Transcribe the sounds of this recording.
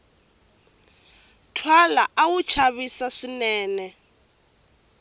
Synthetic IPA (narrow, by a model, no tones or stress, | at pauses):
tʰwalaʔawut͡ʃʰaβisaʂinɛːnɛ